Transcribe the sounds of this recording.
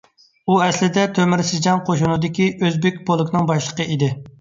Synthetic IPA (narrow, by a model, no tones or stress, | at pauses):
uɛslɪd̪ɛt̪ʰømɪɾsɪd͡ʒɑnqʰoʃunud̪ɪkʲiʔøzbɪk̚ʲbolˠɨkʰʲnɨŋbɑʃlˠə̥qəid̪ɪ